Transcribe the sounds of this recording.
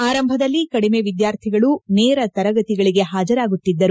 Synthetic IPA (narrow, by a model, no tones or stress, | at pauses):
aːɾɐmbʱɐd̪ɐlːikɐɽime̞ʋid̪jaːɾt̪ʰiɡɐɭuneːɾɐt̪ɐɾɐɡɐt̪iɡɐɭiɡe̞ɦaːd͡ʒɐɾaːɡut̪ːid̪ːɐɾu